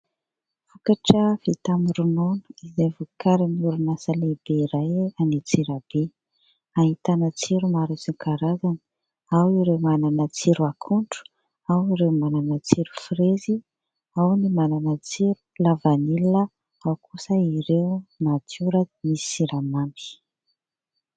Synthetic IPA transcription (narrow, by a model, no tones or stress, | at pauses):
fukaʈ͡ʂəfit̪amuɾunonuizevukʰaɾinuɾunasəleb̥eiɾajanit͡siɾəb̥e | aɦit̪anət͡siɾumaɾisikaɾazanə | awiɾewmananət͡siɾuakʰuɳɖ͡ʐu̥ | awiɾemananət͡siɾu̥frezi | awnimananət͡siɾu̥lavanilnə | awkʰusəiɾewmat̪uɾəmissiɾamambi̥